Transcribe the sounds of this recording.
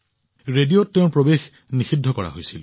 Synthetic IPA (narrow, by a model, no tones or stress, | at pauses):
ɹedijotːeʊ̃pɹobex | nixidʱːɔkɔɹa̰ɦojsil